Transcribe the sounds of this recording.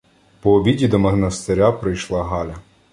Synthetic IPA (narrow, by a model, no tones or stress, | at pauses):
pɔːbʲidʲid̪ɔmɐɦnɐst̪eɾʲapɾɪjʃlˠɑɦɑlʲɐ